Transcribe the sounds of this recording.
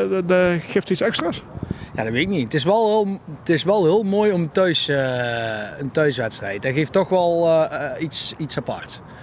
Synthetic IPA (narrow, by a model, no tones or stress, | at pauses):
daxeːftitsɛkstrasja̰ːdɔtʋɪɪk̚niətɪsʋɛlˠlˠətɪsʋɛlˠɦɪːlˠmoːjɔmətœɥs | əntœɥsʋɛtstrɛ̰jt̚dɛɣeːftːɔxʋɛlˠitsitsapɑ̰rts